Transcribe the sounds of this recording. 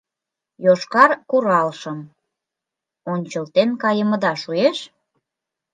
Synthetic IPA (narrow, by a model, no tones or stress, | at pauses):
joʃkɑrkuɾɑlʃəm | onʲt͡ɕəlt̪enkɑjəməd̪ɑʃueʃ